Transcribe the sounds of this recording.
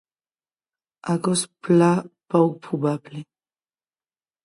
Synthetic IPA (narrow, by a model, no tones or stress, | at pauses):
akɔsplapawk̚pubable